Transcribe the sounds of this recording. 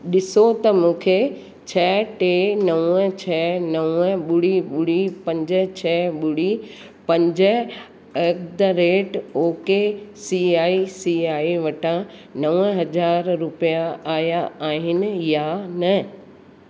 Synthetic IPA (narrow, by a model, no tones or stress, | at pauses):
ɗɪsot̪ɐmũːkʰe | t͡ɕʰɛːʈeːnɐʋət͡ɕʰɛːnɐʋəɓʊɽiɓʊɽipɐ̃ɲd͡ʑə̆t͡ɕʰɛːɓʊɽi | pɐ̃ɲd͡ʑə | ek̚d̪ɾeːʈoːkesiaːisiaːiʋɐʈʰãnɐʋəɦɐd͡ʑaːɾɾʊpijaaːjaaːɦɪnɪ̆janɐ